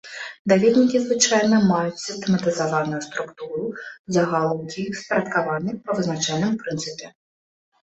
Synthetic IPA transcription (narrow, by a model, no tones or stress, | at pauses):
d̪ɐʋʲid̪ʲnʲikʲizʋɪt͡ʃɑjnɔmɑjʊtʲsʲɪst̪emɐt̪ɪzɐʋɑnʊjʊst̪ɾʊkt̪uɾʊzɐɦɑlˠɔwdʲijspeɾʲɐt̪kɐʋɑnɪpɐʋɪznɐt͡ʃɑjnɪmpɾɪnsɪpʲɪ